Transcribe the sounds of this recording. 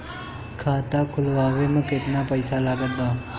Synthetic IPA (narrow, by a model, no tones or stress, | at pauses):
kʰat̪akʰulʋaʋeməket̪napəjsalaɡət̪̚d̪a